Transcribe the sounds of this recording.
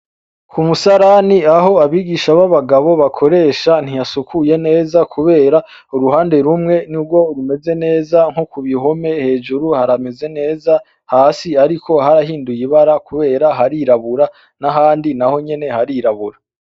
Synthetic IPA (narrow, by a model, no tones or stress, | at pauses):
kʰumusaɾaniaho̞aβiːɡiʃaβaβaɡaβo̞βakʰo̞ɾe̞ːʃan̥hijasukʰuje̞ne̞ːzakʰuβe̞ːɾa | uɾuɦaːnde̞ɾumŋe̞nuɡwo̞uɾume̞ze̞ne̞ːzaŋ̥hukuβiɦo̞me̞he̞ːʒuɾuhaɾame̞ze̞ne̞ːza | haːsiaɾikʰo̞ɦaɾahiːndujiβaɾakʰuβe̞ːɾaɦaɾiɾaβuɾa | naɦaːndinaho̞ɲe̞ne̞haɾiɾaβuɾa